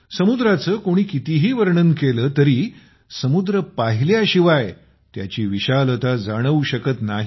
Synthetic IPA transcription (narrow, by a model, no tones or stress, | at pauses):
səmud̪ɾat͡səːkoɽ̃iːkit̪iɦiːʋəɾɳənkeləːt̪əɾiː | səmud̪ɾəpaɦiljaɕiʋaj | t̪ja̰t͡ɕiːʋiɕalət̪ad͡zaɽ̃əuɕəkət̪naɦi